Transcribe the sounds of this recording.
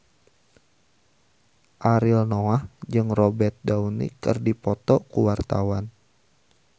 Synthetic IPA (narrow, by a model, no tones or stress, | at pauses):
ʔaɾilnoahd͡ʒɨŋrɔbɛt̪̚daunḭkɨrdipɔt̪ɔkuwart̪a̰wan